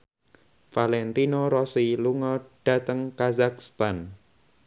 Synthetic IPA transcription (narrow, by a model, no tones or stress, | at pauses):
falɛnt̪inoɾɔsiluŋɔɖ̥a̤t̪əŋkazak̚st̪an